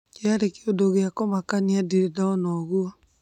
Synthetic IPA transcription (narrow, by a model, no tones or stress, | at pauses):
eaɾekeodoɣeakomakaniadiɾedanɔɣua